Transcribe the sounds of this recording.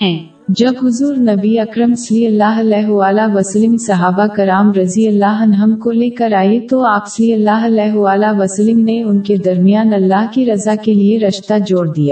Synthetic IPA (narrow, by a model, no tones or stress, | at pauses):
ɦɛ̃ː | d͡ʒɐbɦʊzuːɾnɐbiɐkɾəmɪsliɐlːaːɦlɛːɦuaːlaʋɐslɪmsɐɦaːbakɐɾaːmɾɐziɐlːaːɦənɦɐmkoleːkɐɾaːet̪oaːpɪ̥sliɐlːaːɦlɛːɦuaːlaʋɐslɪmneʊnked̪ɐɾmijaːnɐlːaːɦkiɾɐzakelieɾɐʃt̪ad͡ʒoːɽd̪ijaː